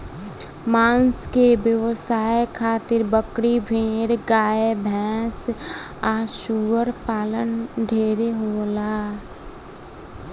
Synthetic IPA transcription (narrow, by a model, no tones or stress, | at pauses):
maːnskebjəwsaːekʰaːt̪ɪɾbəkɽibʱeːɾɡaːebʱɛ̃ːs | aːʃuːəɾpaːlənɖʱeːɾeɦoːlaː